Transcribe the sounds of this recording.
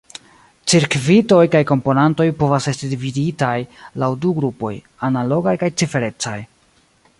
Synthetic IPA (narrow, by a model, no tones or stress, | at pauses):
t͡siɾkvito̞jkajko̞mpo̞nanto̞jpo̞vase̞stidividitajlawduɡɾupo̞̰j | analo̞ɡajkajt͡sife̞ɾe̞t͡saj